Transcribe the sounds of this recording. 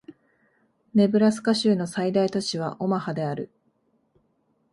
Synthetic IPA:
ne̞bɯ̟ɾasɨ̥kaɕɨːno̞said̪ait̪ot͡ɕiβ̞aʔo̞mahad̪e̞aɾɯ̟̰

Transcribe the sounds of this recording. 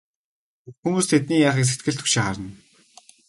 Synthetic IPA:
xumuːst̪ʰet̪niːjaːχiːks̬et̪ɡɘ̆ɮt̪ʰɵ̥kʃɪ̆ːχaɾə̆n

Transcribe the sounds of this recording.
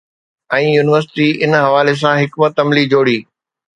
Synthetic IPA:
ɛ̃ːjuːnɪʋəɾsɪ̥ʈiɪnɦɐʋaːles̬ãɦɪkmət̪ɐmlid͡ʑoːɽiː

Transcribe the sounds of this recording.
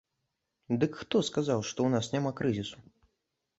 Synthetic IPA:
d̪ɨkxt̪ɔskazawʂt̪ɔwnasnʲamakɾɨzʲisu̥

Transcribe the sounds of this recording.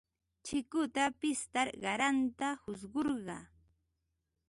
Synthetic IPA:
t͡ʃɪkʊt̪apɪst̪aɾɢɑɾant̪ahʊsɢoɾɢɑ̰

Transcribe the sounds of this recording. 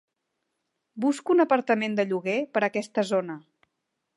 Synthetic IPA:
buskuunəpəɾt̪əmend̪əʎuɣepəɾəkɛst̪əzonə

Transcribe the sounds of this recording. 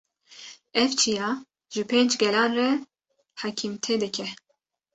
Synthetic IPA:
ɛvt͡ʃʰijɑː | ʒɨpʰeːnd͡ʒɡɛlɑːnrɛ | hɑkʰimt̪ʰed̪ɨkʲʰɛ

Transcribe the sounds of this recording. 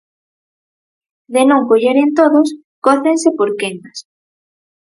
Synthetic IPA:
ðenõŋkoʎeɾent̪oðos | koθensepoɾkeŋas

